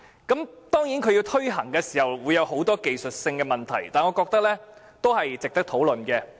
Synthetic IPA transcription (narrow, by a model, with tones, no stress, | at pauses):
kɐ˨˥mt̪ɔː˥ŋjiː˨˥nkʰɵ˨˧ɥjiː˧wt̪ʰɵ˥ɥɦɐ˨˩ŋkɛː˧si̥ː˨˩hɐ˨wwuː˨˧jːɐ˨˧wɦo˨˥wt̪ɔː˥ke˨jsɵ˨t̚sɪ˧ŋkɛː˧mɐ˨nt̪ʰɐ˨˩jt̪aː˨nɔː˨˧kɔː˧k̚t̪ɐ˥k̚lɛː˥ | t̪o˥whɐ˨jt͡sɪ˨k̚t̪ɐ˥k̚t̪ʰo˨˥wlɵ˨nkɛː˧